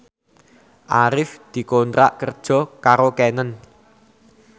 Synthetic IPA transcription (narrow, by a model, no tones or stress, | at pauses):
ʔaɾɪfd̪̥i̤kont̪ɾa̰ʔkərd̥ʒ̥ɔ̤kaɾokɛnən